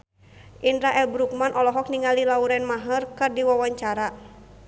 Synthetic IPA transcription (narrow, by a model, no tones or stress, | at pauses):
ʔindɾaʔɛlbɾuk̚manʔɔlɔɦɔk̚niŋalilauɾɛnmaɦərkɨrdiwawaɲt͡ʃaɾa